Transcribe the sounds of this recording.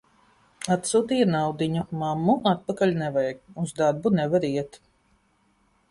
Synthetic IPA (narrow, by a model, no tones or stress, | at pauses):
at̪suːt̪ijanawd̪iɲumamːuʔat̪̚pakaʎʲnɛvajɡuzd̪aɾbunɛvaɾiɛt̪